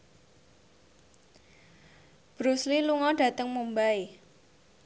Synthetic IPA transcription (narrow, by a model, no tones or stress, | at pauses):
b̥ɾusliluŋɔɖ̥ä̤t̪əŋmumbae